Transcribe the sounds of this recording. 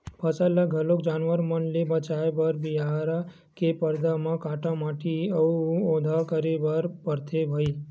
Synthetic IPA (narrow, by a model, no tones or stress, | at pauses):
pʰəsələɡʱəlokd͡ʒanʋəɾmənlibət͡ʃaebəɾbiɦaɾa | kepəɾd̪amãkaʈamaʈiəuod̪ʱakəɾebəɾpəɾt̪ʰebʱəi